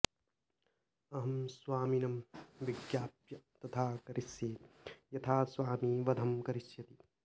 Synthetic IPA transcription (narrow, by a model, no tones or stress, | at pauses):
ɐɦɐmsʋaːminɐmʋiɡjaːpjɐt̪ɐt̪ʰaːkɐɾʔisjeːjɐt̪ʰaːsʋaːmiʋɐd̪ʱɐmkɐɾisjɐt̪i